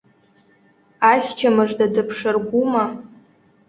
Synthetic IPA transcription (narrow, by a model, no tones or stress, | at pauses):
aχʲt͡ʃʰamɨʐdadɨpʰʂɨrɡʷuma